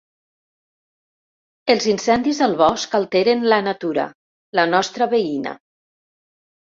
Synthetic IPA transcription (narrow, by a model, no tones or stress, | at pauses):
elˠzinsɛnd̪izðəlˠβɔskalˠt̪ɛɾenlənat̪uɾa̰ | lənɔst̪ɾəβeinə̰